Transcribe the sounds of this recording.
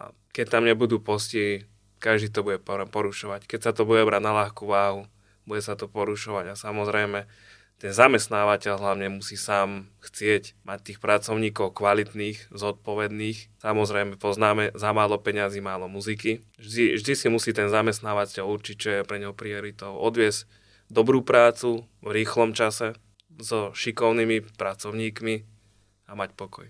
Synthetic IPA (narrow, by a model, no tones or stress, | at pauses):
a̰ | kɛct̪amɲɛbud̪uːpɔscɛɦi | kaʒd̪iːt̪ɔbuɟɛpɔɾpɔɾuʃɔʋackɛcsat̪ɔbuɟɛbɾaɟnaʎaxkuʋaːɦu | b̥uɟɛsat̪ɔpɔɾuʃɔʋaɟasamɔzɾɛjmɛ | t̪ɛnzamɛst̪naːʋacɛʎɦlaʊɲɛmusiːsaːmxt͡sɪɛcmac̚t̪iːxpɾat͡sɔʊɲiːkɔʊkʋalit̪niːxzɔt̪̚pɔʋɛd̪niːxsamɔzɾɛjmɛpɔznaːmɛzamaːlɔpɛɲaziːmaːlɔmuziki | ʒd̪iʒd̪isimusiːt̪ɛnzamɛs̬t̪naːʋatɛluɾt͡ʃic̚t͡ʃɔjɛpɾɛɲɦɔpɾiɔɾit̪ɔʊʔɔd̪ʋɪɛzc | d̪ɔbɾuːpɾaːt͡suvɾiːxlɔmt͡ʃasɛ | zɔʃikɔʊnimipɾat͡sɔʊɲiːkmi | amacpɔkɔj